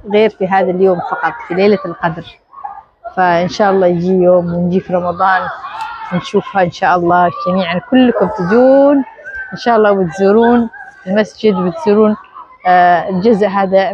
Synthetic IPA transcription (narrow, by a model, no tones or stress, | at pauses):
ɣeːɾfiɦaːðaljoːmfɑqɑt̪ˤfileːlalqɑd̪ɾ | faʔɪnʃaːʔɑlˤːɑːjɪd͡ʒiːjoːmwɪnd͡ʒiːfiɾˤɑmɑðˤɑːnɪnʃuːfhaʔɪnʃaːʔɑlˤːɑːd͡ʒamiːʕankʊlːkʊɾt̪ɪd̪uːnʔɪnʃaːʔɑlˤːɑːbɪt̪zuːɾuːnɪlmasd͡ʒɪd̪bɪt̪z̥iːɾuːn | ld͡ʒʊzʔɦaːd̪a